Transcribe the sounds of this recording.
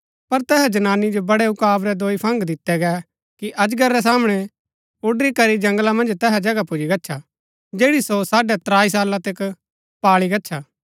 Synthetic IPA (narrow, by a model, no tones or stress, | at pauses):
pɐɾt̪ɛːɦɛd͡ʒɐnaːnːid͡ʒobɐɽɛɦʊkaːbɾɛd̪oːipʰɐ̃ŋɡd̪ɪt̪ːɛɡɛ | kiʔɐd͡ʒɡɐɾːɛs̬aːmɽ̃ɛ | ʊɖɾikɐɾid͡ʒɐ̃ŋɡlamɐ̃nd͡ʒt̪ɛːɦɛd͡ʒɐɡapʊd͡ʒiɡɐtːʃʰa | d͡ʒeːɽisosaːɖɛt̪ɾaːis̬aːlat̪ɪk | paːɭiɡɐtːʃʰaː